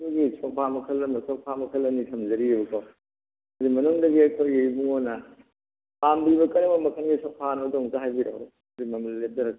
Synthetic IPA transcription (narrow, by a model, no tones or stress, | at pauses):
ɡisʰɔk̚pʰamɐkʰɐlːɐmɐsʰɔk̚pʰamɐkʰɐlːɐnitʰɐmzɐɾiebɐkʰo | hɐzimɐnuŋdɐɡiɐkʰojɡibuŋonɐ | ambiβɐkɐnɐbɐmɐkʰɐnɡisʰɔk̚pʰanodoŋzaɦajbiɾa̰w | zimɐmɐllep̚tɐɾɐk̚